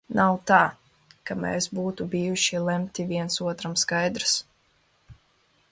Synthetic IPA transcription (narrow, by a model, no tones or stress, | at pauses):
nʔawt̪aː | kamɛ̰ːsbuːt̪ubijuʃilˠɛmt̪ʲiviɛnsuɔt̪ɾamskajd̪ɾɨs